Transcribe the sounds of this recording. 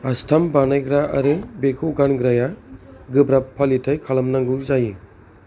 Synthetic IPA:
astʰambanajɡɾaʔaɾɯbekʰuwɡanɡɾajaɡɯbɾapʰːalitʰajkʰalɐmnaŋɡɯzaji

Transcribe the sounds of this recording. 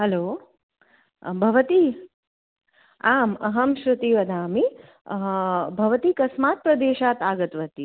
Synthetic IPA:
hɛloː | bʱɐʋɐt̪i | aːmɐɦɐmʃɾut̪iʋɐd̪ʱaːmi | bʱɐʋɐt̪ikɐsmaːt̪̚pɾɐd̪eːʃaːt̪aːɡɐt̪ʋɐt̪i

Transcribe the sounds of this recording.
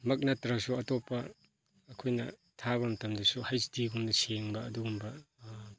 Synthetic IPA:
mɐk̚natɾɐksuɐtopːɐː | kʰojnɐ̰ | tʰaβɐmɐtɐmdɐsuhajsdiɡumnɐseŋbɐːduɡumbɐ

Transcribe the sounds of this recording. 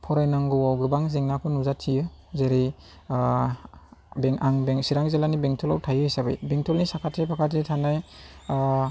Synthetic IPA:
pʰɔɾajnaŋɡɯwawɡɯbaŋzeŋnakʰɔnuzatʰijɯzeɾi | beŋʔaŋbeŋsiɾaŋzelanibeŋtʰɔlawtʰajɯhijsabɯ̰jbeŋtʰɔlnisakʰatʰepʰakʰat̬ʰetʰanaj

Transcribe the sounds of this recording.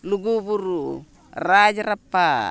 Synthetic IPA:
luɡubuɾu | rad͡ʒaɾapːa

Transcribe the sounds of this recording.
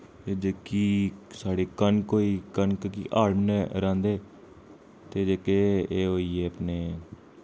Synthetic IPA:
ed͡ʒekiːsaːɽeːkənkoːiːkənkkḭːʔaːɾmnɛɾãːnd̪eː | t̪eːd͡ʒeːkeːeːɦoːiːeːəpneː

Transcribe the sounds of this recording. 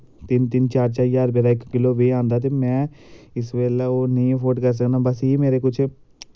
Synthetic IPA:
t̪ɪnt̪ɪnt͡ʃaːɾt͡ʃaːjaːɾbeːɾaːɪkːɪloːʋeːãːnd̪aːt̪̬eːmɛ̃ː | ɪsʋeːlɛoːnĩːpʰoːʈkəɾs̬əknaːbəsiːmeːɾeːkʊt͡ʃʰ

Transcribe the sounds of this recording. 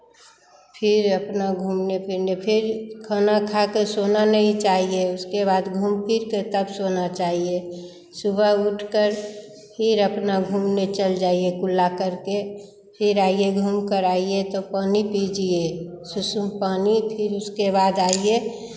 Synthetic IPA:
pʰɪɾəpnaɡʱuːmnepʰɪɾnepʰɪɾkʰənakʰakesonanəɦĩt͡ʃaːɦieʊskebad̪ɡʱumpiɾket̪əbsonat͡ʃaːɦie | subʱəuʈʰkəɾ | pʰɪɾəpnaɡʱumnet͡ʃəld͡ʒaːiekʊlːakəɾke | pʰɪɾaːieɡʱumkəɾaiet̪opaːnipid͡ʒie | susumpaːnipʰɪɾʊskebaːd̪aːie

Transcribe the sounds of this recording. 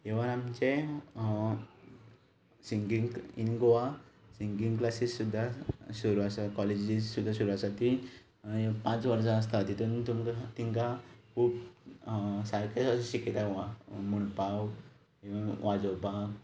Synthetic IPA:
eʋaɾamt͡ɕe | siŋɡiŋinɡoʋasiŋɡiŋɡklasissud̪ʱːasuɾuasakɔled͡ʑd͡ʑissud̪ʱːasuɾuasat̪i | pãt͡sʋəɾsaəs̬t̪at̪it̪uːnt̪umkat̪iŋkakʰuːp | sajkeəsuɕiket̪aɦoamuɽpaw | eʋãʋad͡zɔwpa

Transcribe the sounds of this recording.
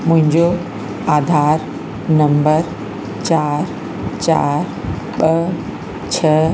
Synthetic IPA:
mʊ̃ɦɪ̃ɲd͡ʑo | aːd̪ʱaːɾ | nɐ̃mbəɾ | t͡ɕaːɾ | t͡ɕaːɾ | ɓə | t͡ɕʰə

